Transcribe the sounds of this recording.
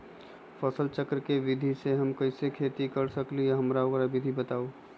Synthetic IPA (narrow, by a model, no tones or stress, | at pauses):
pʰəsəlt͡ʃəkɾkeʋɪd̪ʱiseɦɐmkɐɪsekʰeːt̪ikɐɾsəklijaɦɐmɾaoɡɾaʋɪd̪ʱibət̪aːoː